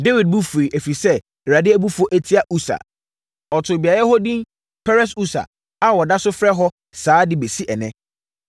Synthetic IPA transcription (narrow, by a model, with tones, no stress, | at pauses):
de˦wi˨d̚bu˦fu˨ɾi˨ʔæ˨fi˨sɛ˦˨ | ɾa˨dɪ˦æ˦bu˦fo˦ʔæ˦tʰi˦a˦ʔu˦sa̰˨ | ɔ˨tʰʊ˨bi˨a˨ɾa˦ɦɔ˦dĩ˦m | pʰɛ˦ɾɛ˦su˦sa̰˨ | a˦wɔ˨da˦sʊ˦fɾɛ˦ɦɔ˦ | saː˨˦dɪ˦be˨si˦ʔɛ˨nɛ̃˦